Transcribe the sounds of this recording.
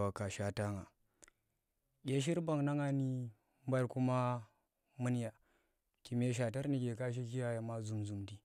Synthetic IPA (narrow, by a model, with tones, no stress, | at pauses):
wa˨ka˨ʃa˦ta˦ŋa˨ | ɡʲe˦ʃ̬i˦ɾba˨ŋna˦ŋa˦ni˦ | mba˦ɾku˦ma˦ | mɨ˦n˦ja˨ | ki˨m˦e˦ʃ̬a˨ta˦ɾni˨ɡʲe˨ka˦ʃ̬i˦ki˦ja˨˦ja˨ma˦zu˨mzu˨mdi˨